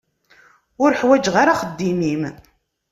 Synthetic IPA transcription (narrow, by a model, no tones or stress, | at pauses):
ʊɾəħwæd͡ʒʁaɾaχəd̪ːimim